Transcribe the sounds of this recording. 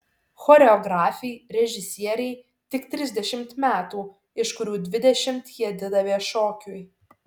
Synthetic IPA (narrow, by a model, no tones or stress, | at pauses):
xɔɾʲɛɔɡɾɑːfʲɛɪɾʲɛʒʲɪsʲiɛɾʲɛɪ | t̪ʲɪkt̪ʲɾʲɪzʲd̪ʲɛʃʲɪmt̪mʲæːt̪uː | ɪʃkʊɾʲuːd̪ʲʋʲɪd̪ʲɛʃʲɪmt̪jiɛd̪ʲɪd̪ɐʋʲiɛʃoːkʲʊj